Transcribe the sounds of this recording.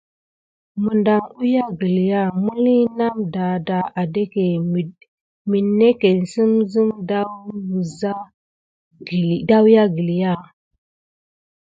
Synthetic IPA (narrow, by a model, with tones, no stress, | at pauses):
mu˨nda˨ŋu˦ja˦ɡi˨li˨ja˦˨mu˦li˦na˦mda˨da˨a˨de˦ke˨ | mi˨nːe˦ke˨n˨si˦mzi˦mda˦wbu˨za˦˨ | da˦wja˦ɡi˨li˨ja˦˨